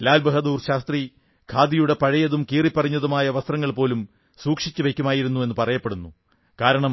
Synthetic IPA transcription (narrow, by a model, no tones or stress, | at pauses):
laːlbʱɐɦɐd̪uːrɕaːst̪ri | kʰaːd̪ijuɽe̞pɐɻɐjɐðumkiːripːɐriɲːɐðumaːjɐʋɐst̪rɐŋːɐɭpo̞ːlum | suːkʂit͡ɕːuʋe̞kʲːumaːjiɾunːue̞nːɨpɐrɐjɐpːeɽunːu | kaːɾɐɳɐm